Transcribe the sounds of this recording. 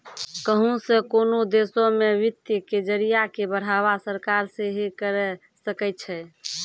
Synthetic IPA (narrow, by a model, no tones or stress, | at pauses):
kəɦũsẽkonod̪esomeʋit̪jəked͡ʒəɾijakebəɽ̤aβasəɾkaɾseɦikəɾɛ | səkɛt̪̚t͡ʃʰɛ